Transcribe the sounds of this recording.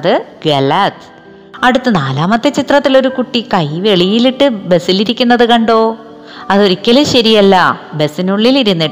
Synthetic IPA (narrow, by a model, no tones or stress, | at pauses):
ðɨɡɐlɐt̪ | ɐɽut̪ːɨnaːlaːmɐt̪ːet͡ɕit̪rɐt̪ːilo̞ɾukuʈːikɐjʋe̞ɭijiliʈːɨbe̞siliɾikʲːunːɐðɨkɐɳɖo̞ː | ɐðo̞ɾikʲːɐleɕɐɾijɐlːɐbe̞sinuɭːiliɾunːiʈːɨ